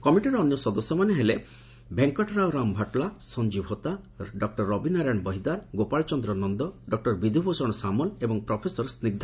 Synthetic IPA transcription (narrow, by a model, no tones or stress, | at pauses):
kɔmiʈiɾɔɔnjɔsɔd̪ɔsjɔmaneɦele | bʱeŋkɔʈʰɾawɾambʱaʈlasɔɲd͡ʒibʱɔt̪a | ɖɔk̚ʈɔɾːɔbinaɾaɳ̃bɔɦid̪aɾɡopaɭt͡ʃɔnd̪ɾɔnɔnd̪ɔɖɔk̚ʈɔɾbid̪ʱubosɔɽ̃ɔsamɔlebɔŋpɾɔpʰesɔɾsnid̪ʱa